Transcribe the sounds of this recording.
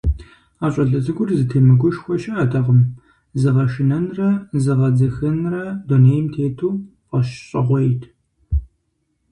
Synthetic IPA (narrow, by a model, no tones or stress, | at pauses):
aːɕʼɐɮɐzɨɡʷʊrzɨtʰeːmɨɡʷʊʃxʷɔʃɐʔɐtʰɐʁəm | zɨʁɐʃɪnɐnrɐzɨʁɐd͡zɐxɨnrɐduneːjmtʰeːtʰuːqʷʼɐʃɕʼɐʁʷɔjtʰ